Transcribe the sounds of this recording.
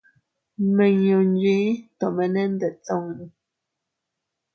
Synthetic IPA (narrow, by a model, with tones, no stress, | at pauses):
mə˨ɲo˨n˦d͡ʒɥi˨˦tɔ˨mɛ˨nɛ˦n̩˦də˨t͡sɔ˦˨ŋn˨